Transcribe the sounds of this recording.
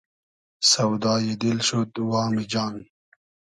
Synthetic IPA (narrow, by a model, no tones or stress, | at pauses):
sɐwd̪aːjid̪ilɕot̪waːmid͡ʑaːn